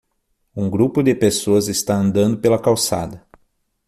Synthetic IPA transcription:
ũŋɡɾupʊd̪ɪpesoɐzɪst̪aɐ̃nd̪ɐ̃nd̪ʊpelɐkawsa̰d̪ɐ

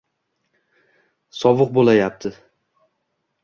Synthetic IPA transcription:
sɒvɨq̚bolajap̚t̪ʰɪ

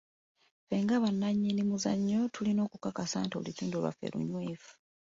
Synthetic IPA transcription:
feːŋɡaβanːaɲːinimuzaɲːotʰulino̞ːkukakasaːnto̰litiːndolwa̰fḛlʔṵɲweːvu̥

